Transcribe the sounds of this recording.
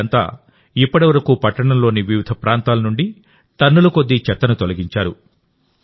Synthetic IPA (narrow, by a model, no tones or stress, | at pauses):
ɐnt̪a̰ː | ipːɐɽɐʋɐɾɐkupɐʈːɐɳɐmlo̞ːniʋjiʋid̪ʱɐpɾʔaːnt̪aːlɐnuɳɖi | ʈ̪ɐnːulɐko̞d̪ːit͡ʃɛt̪ːɐnut̪o̞lɐɡiɲt͡ʃaːɾu